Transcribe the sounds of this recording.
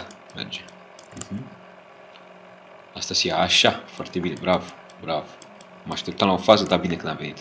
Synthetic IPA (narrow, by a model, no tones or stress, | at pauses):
mḛrd͡ʒe | hm̩ | ast̪asiaːʃafoart̪e̞binebɾav | bɾav | maʃt̪elt̪alaofazəd̪abinekɨnd̪amve̞nit̪